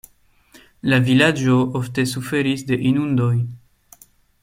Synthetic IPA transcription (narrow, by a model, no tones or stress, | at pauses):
lavilad͡ʒoofte̞sufe̞ɾisde̞ʔinundo̞j